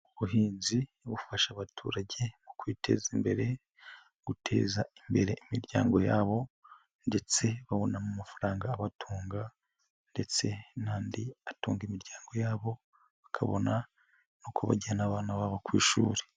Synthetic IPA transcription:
uβuɦiːnziβufaʃaβatʰṵːɾaɟe̞mukwiːtʰe̞̰ːzimbe̞ɾe̞ | ɡ̥utʰe̞̰ːzaimbe̞ɾe̞imiɾɟa̰ːŋɡo̞jaːβo̞ | nde̞t͡se̞βaβonamumafaɾaːŋɡaːβatʰuːŋɡa | nde̞t͡se̞naːndiatuːŋɡimiɾɟaːŋɡo̞jaːβo̞ | βakʰaβo̞̰na | nuːkʰoβa̰ɟianaβaːnaβaβokwiːʃṵːɾe

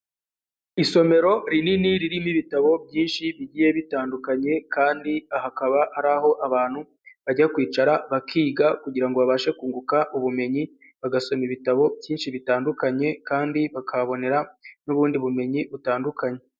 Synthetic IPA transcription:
iso̞me̞ɾo̞ɾininiɾiɾimiβitaβo̞bjiːnʃiβiɟiːje̞βitaːndukaɲe̞kaːndiahakaβahaɾaɦo̞ʔaβaːn̥hu | βaɟakwiːt͡ʃaɾaβakʰiːɡakuɟiɾaŋɡo̞βaβaːʃe̞kuːŋɡukaʔuβume̞ɲi | βaɡaso̞miβitaβo̞bjiːnʃiβitaːndukaɲe̞kaːndiβakʰaβo̞ne̞ɾanuβuːndiβume̞ɲiβutaːndukaɲe̞

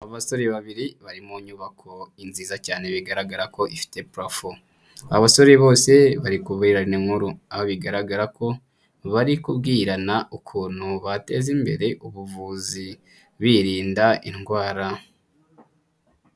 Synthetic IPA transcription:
aβaso̞ɾeβaβiɾiβaɾimoɲuːβakʰo̞inziːzacaːneβiɡaɾaɡaɾako̞ʔifi̥te̞pɾofu | aβaso̞ɾeβo̞ːse̞βaɾikubɡiɾaneŋhuɾuaβoβiɡaɾaɡaɾako̞ | βaɾikubɡiːɾanaukʰuːn̥huβate̞zimbe̞̰ɾe̞ʔuβuvuːzi | βiɾiːndaʔinɡwaːɾa

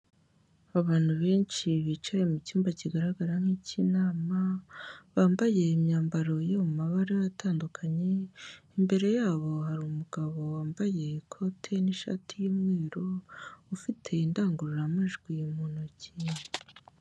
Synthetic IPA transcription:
aβaːn̥huβeːnt͡ʃiβit͡ʃaje̞mucuːmbaciɡaɾaɡaɾaŋ̥hiːcinaːmaβaːmbaje̞imɲaːmbaɾo̞jomumaβaɾeβataːndukʰaɲe̞imbe̞ɾe̞jaːβo̞haɾuːmuɡ̥aβo̞waːmbaje̞kʰo̞tʰe̞niʃa̰tʰijimŋeːɾoufitʰe̞indaːŋɡuɾuɾamaʒɡwijemuːnoci

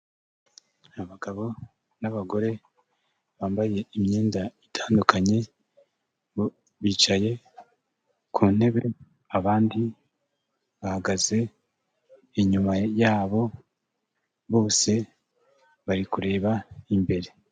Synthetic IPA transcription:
aβaɡaβo̞ | naβaɡo̞ɾe̞ | βaːmbaje̞imɲeːndaitʰaːndukaɲe̞ | βiːt͡ʃaje̞ | kʰuːn̥e̞βe̞ | aβaːndi | βahaɡaze̞ | eɲumajaːβo̞ | βo̞ːse̞ | βaɾikuɾe̞ːβaimbe̞ɾe̞

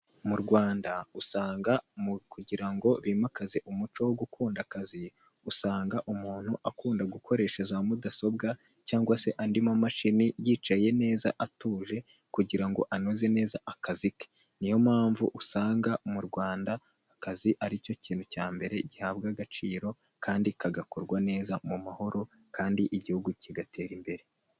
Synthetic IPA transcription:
muɾɡwaːndausaːŋɡamkuɟiɾaŋɡo̞βimakazeʔumut͡ʃo̞woɡukʰuːndakazi | usaːŋɡaʔumuːn̥huʔakuːndaɡukʰo̞ɾe̞ʃe̞zamudaso̞b̚ɡa | caːŋɡwase̞ʔandimamaʃinijiːt͡ʃaje̞ne̞ːza̰ʔatuːʒe̞ | kuɟiɾaŋɡo̞̰ʔanoze̞ne̞ːzaʔakazike̥ | nijo̞maːɱvuʔusaːŋɡamuɾɡwaːndaː | kaziʔaɾico̞ciːn̥hucaːmbe̞ɾe̞ɟihabɡaɡat͡ʃiːɾo̞ | kʰaːndikʰaɡakoɾɡwane̞ːzamumaho̞ɾo̞ | kaːndiʔiɟihuɡuciɡatʰe̞ːɾimbe̞ɾe̞

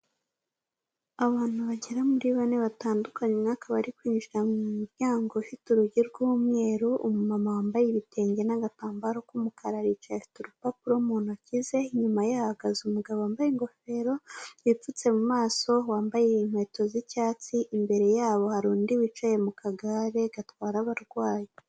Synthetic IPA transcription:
aβaːn̥uβaɟeɾamuɾiβaneβataːndukaɲeŋakaβaɾikwiːnʒiɾamumuɾɟaːŋɡoʃutuɾuɟiɾɡumŋe̞ːɾuʔumumamawaːmbajeβitʰe̞ːɲɟe̞naɡataːmbaɾokumukaɾaɾit͡ʃaʃu̥tuɾupapuɾomuːnacize̞ɲumajahaɡazumuɡaβaːmbajeŋɡo̞fe̞ɾo̞βip͡fut͡se̞mumaːso̞waːmbajeinhwe̞ːto̞zicaːt͡siʔimbe̞ɾe̞jaːβo̞haɾuːndiwit͡ʃaje̞mukʰaɡaɾe̞ɡatwaːɾaβaɾɡwaːje

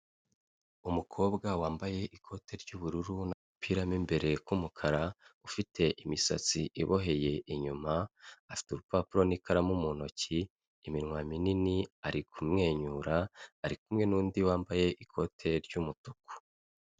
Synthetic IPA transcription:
umukʰo̞ːbɡawaːmbaje̞ʔikʰo̞tʰe̞ɾɟuːβuɾuɾunaupʰiɾamimbe̞ɾe̞kumukʰaɾaufitʰe̞ʔimisa̰t͡siʔiβoɦe̞je̞ʔiɲumaafi̥tuɾupapuɾo̞nikaɾamumuno̞ciː | minŋwamininiaɾikʰumŋe̞ːɲuːɾaːɾik̚umŋe̞nuːndiwaːmbaje̞ʔikʰo̞tʰe̞ɾɟumutuku̥

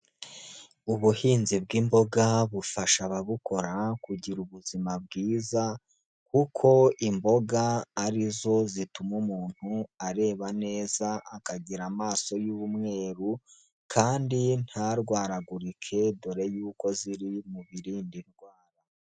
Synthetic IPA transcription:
uβuhiːnzib̚ɡimbo̞ɡaβufaʃaβaβukʰo̞ɾakuɟiɾuβuzimab̚ɡiːza | kukʰo̞imbo̞ɡaːɾizo̞zitumumuːn̥huaɾe̞ːβane̞ːzaʔːkaɟiɾamaːso̞juβumŋe̞ːɾu | kʰaːndin̥haɾɡwaːɾaɡuɾikʰe̞do̞ɾe̞juːko̞ziɾimuβiɾiːndiɾɡwaːɾa

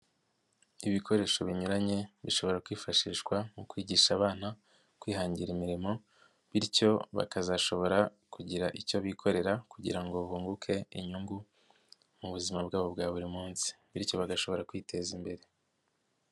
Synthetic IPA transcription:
iβikʰo̞ɾe̞ːʃo̞βiɲuɾaɲe̞βiʃo̞βo̞ɾakwiːfaʃiːʃkwamukwiːɟiʃaːβaːna | kwiːhaːɲɟiɾimiɾimo̞ | βiɾco̞βa̰kazaʃo̞βo̞ɾakuɟiɾaʔico̞βikʰo̞ɾe̞ɾakuɟḭɾaŋɡo̞βuːŋɡukʰe̞ḭɲuŋɡu | muβuzimabɡaːβo̞bɡaːβuɾimuːnsi̥βiɾco̞βaɡaʃo̞βo̞ɾakwiːtʰe̞zimbe̞ɾe̞

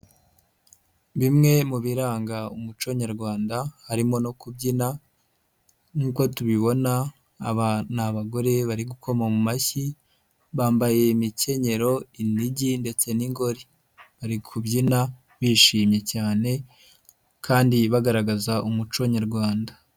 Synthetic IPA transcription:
βimŋe̞muβiɾaːŋɡaumut͡ʃo̞ɲaɾɡwaːndahaɾimo̞no̞kubɟina | ŋuko̞tuβiβo̞naː | βanaβaɡo̞ɾe̞βaɾiɡukʰo̞mamumaçi | βaːmbaje̞mice̞ɲe̞ɾo̞iniɟinde̞t͡se̞niŋɡo̞ɾi | βaɾikʰubɟina | βiːʃiːmɲe̞caːne̞ | kʰaːndiβaɡaɾaɡazaʔumut͡ʃoɲaɾɡwaːnda

